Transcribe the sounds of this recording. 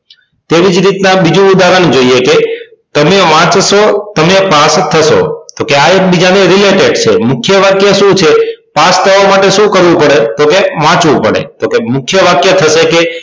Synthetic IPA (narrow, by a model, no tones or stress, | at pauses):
t̪eʋid͡ʒɾit̪nabid͡ʒũud̪aɡand͡ʒoieke | t̪əmeʋãt͡ʃʃot̪əmepast̪ʰəʃo̰t̪okeaek̚bid͡ʒaneɾileʈeɖt͡ʃʰemʊkʰjəʋakjəʃũt͡ʃʰepast̪ʰəʋamaʈeʃũkəɾʋũpəɽet̪okeʋãt͡ʃʋũpə̰ɽḛt̪okemʊkʰjəʋakjət̪ʰəʃeke